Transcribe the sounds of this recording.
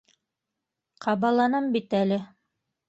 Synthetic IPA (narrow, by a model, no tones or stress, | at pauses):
qʰɑβɑlˠɑnɤmbit̪ælɘ